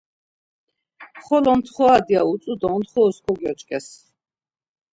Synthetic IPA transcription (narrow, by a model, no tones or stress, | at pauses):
χɔlɔnt̪ʰχɔad̪iausʼud̪ɔnt̪χɔːskʰɔɡjɔt͡ʃʼkʼɛs